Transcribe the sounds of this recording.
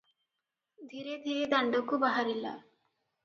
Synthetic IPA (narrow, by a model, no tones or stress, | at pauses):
d̪ʱiɾed̪ʱiɾed̪ɐɳɖokubaɦaɾila̰